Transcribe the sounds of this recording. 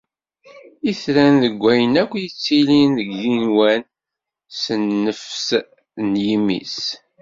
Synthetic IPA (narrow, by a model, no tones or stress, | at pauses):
iθɾænðəɡʷːæjənækʷːjit͡sːilinðəɡjinwæn | sənːəfs | njimḭs